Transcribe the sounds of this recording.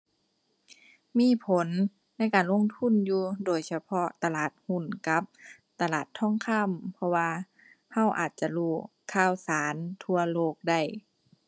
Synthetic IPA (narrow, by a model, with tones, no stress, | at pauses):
miː˧˥˨pʰo˨˦nː | a˧˥˨jkaː˨˩nlo˧˥˨ŋt̪ʰu˧˥˨njuː˧doː˨˩jsa˧pʰɔ˧˥t̪a˧laː˨˩t̪̚hu˧˥˩nka˧˦p̚ | t̪a˧laː˨˩t̪ʰːɔ˧˥˨ŋkʰa˧˥˨mpʰɔ˧waː˧ | ha˧˥˨wʔaː˨˩t̪̚t͡ɕa˧luː˧˩ | kʰaː˧˨wsaː˨˦nt̪ʰu˧ɐloː˧˩k̚da˧˩j